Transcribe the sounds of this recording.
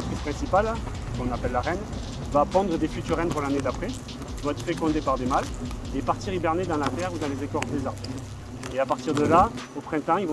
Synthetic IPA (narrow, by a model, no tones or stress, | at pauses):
apχispχɛ̃sipal | kɔ̃napɛlːaʁɛn | vapχɑ̃d̪ʁəd̪efyt̪yʁːɛnpuʁlaned̪apχɛ | ilvɔ̃ɛt̪χəfekɔ̃d̪epaʁd̪emalepaʁt̪iʁibɛʁned̪ɑ̃lat̪ɛʁud̪ɑ̃lezekɔʁd̪ezaʁb | eapaʁt̪iʁd̪əlaopχɛ̃t̪ɑ̃ilṽ